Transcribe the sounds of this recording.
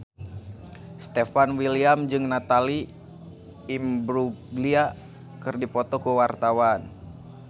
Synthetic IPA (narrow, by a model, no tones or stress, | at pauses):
st̪efanwiliamd͡ʒɨŋnat̪ali | mbɾuɡlia | kɨrdipɔt̪ɔkuwart̪awan